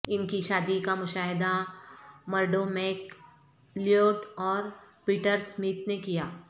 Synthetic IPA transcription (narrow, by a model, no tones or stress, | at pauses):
ɪnkiʃaːd̪ikamʊʃaːɦɪd̪a | mɐɾɖomeːk | lijoːʈɔːɾ | piːʈəɾsmiːt̪nekijaː